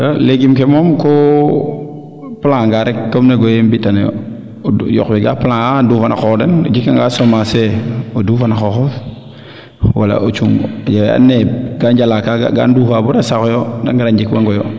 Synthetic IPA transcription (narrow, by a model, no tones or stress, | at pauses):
aleɡimkɛmɔmko | plaŋŋɡaɾɛkkːomneɡɔjembitanjɔ̰ | jɔ̰kweɡaplãŋadufana̰xɔdeno̰d͡ʒikːaŋɡaːsomaseodufanaxɔxɔf | wala̰ʔot͡ʃuŋad͡ʒawa̰nːeɡand͡ʒalakaa̰ɡa̰ndufabuɾasakɔjɔda̰ŋɡaɾand͡ʒikwaŋɡɔjɔ